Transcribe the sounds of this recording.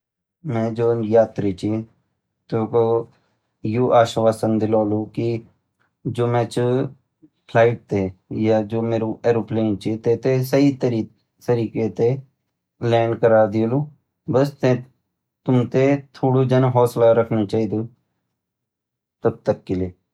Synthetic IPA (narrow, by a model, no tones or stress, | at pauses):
mɛ̃ːd͡ʒoːjaːt̪ɾit͡ʃi | t̪oːko | juːʔaːʃʋaːsənd̪ɪloːloːki | d͡ʒoːmɛ̃ːt͡ʃ | pʰlaːɪʈ̚t̪eːjaːd͡ʒoːmeːɾueːɾoːplẽːnt͡ʃit̪eːt̪esəit̪ɾi | t̪əɾiːket̪e | lɛːɳɖkəɾaːd̪iluː | bəst̪ẽ | t̪ʊmt̪et̪ʰoːɽud͡ʒənɦɔːslaɾəkʰnit͡ʃaːiːd̪oː | t̪əb̚t̪əkːɪleː